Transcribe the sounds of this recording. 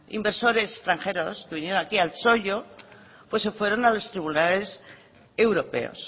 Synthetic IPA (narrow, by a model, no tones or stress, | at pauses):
ḭmbe̞ɾso̞ɾe̞se̥st̪ɾaŋxeɾo̞skeβinjeonakialso̞ʎo̞ | pwe̞sːefwe̞ɾo̞nalo̞st̪ɾiβunale̞s | e̞wɾo̞pe̞̰o̰s